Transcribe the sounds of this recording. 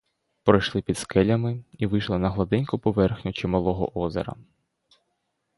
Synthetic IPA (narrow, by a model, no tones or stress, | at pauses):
pɾɔjʃlˠɪpʲid̪skɛlʲɐmɪiʋɪjʃlˠɐnɐɦlˠɐd̪ɪnʲkʊpɔʋɛrxnʲʊt͡ʃimɐlˠɔɦɔ̰ʔɔzḛɾɐ̰